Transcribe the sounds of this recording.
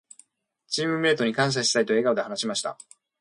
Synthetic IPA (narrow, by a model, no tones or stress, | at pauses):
t͡ɕiːmɯ̟me̞ːt̪o̞ɲ̟ikãɰ̃s̬aɕi̥sait̪o̞e̞ɡaod̪e̞hanaɕimaɕi̥t̪a̰